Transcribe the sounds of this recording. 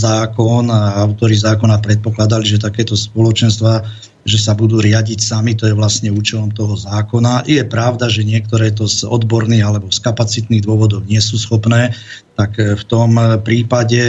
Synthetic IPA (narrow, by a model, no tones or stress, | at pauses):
zaːkɔnaʊt̪ɔɾizaːkɔnapɾɛt̪̚pɔklad̪aliʒɛt̪akɛːt̪ɔspɔlɔt͡ʃɛnst̪ʋa | ʒɛsabud̪uːɾɪaɟicsamit̪ɔjɛʋlasɲɛuːt͡ʃɛlɔmt̪ɔɦɔzaːkɔnajɛpɾaʊd̪aʒɛɲɪɛk̚t̪ɔɾɛːt̪ɔzɔ̰d̪bɔɾniːɣalɛbɔskapat͡sit̪niːɣd̪ʊɔʋɔd̪ɔʊɲɪɛsuːsxɔpnɛːt̪akft̪ɔmpɾiːpaɟɛ